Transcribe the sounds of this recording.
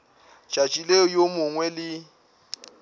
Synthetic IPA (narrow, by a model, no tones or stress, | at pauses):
t͡ʃʼat͡ʃʼilejomʊŋwɛlɪ